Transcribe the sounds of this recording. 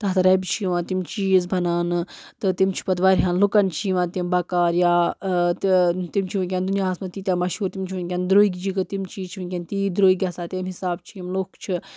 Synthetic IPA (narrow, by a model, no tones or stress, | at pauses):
t̪ɐt̪ʰɐɾɐbt͡ʃʰiiʋãːt̪imt͡ʃiːzbʱɐnaːnɨt̪ɨt̪imt͡ʃʰi̥pɐt̪ʋaɾʲɦãːnlukɐnt͡ʃʰiʋãːt̪imbakaːɾjaːt̪t̪imt͡ʃʰiʋɐnkʲand̪unijaːɐsmɐt̪iːt̪jaːmɐʃɦuːɾt̪imt͡ʃʰiʋɐnʲkʲɐnd̪ɾoːiɡʲd͡ʒikɐt̪imt͡ʃiːt͡ʃʰiʋɨnʲkʲɐnt̪iːd̪ɾoːiɡʲɐsaːt̪ʲemɦisaːb̚t͡ʃʰiimlokt͡ʃʰi